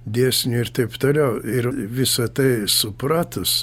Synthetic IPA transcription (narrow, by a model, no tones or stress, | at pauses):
d̪ʲeɛsʲnʲʊɪrt̪ɐɪpt̪oːlʲɛʊɪɾʋʲɪsɐt̪ɐɪsʊprɑːt̪ʊs